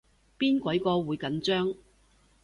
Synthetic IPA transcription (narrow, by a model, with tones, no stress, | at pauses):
piː˥nkʷɐ˨˥jkɔː˧wuː˨˧jkɐ˨˥nt͡ʃœː˥ŋ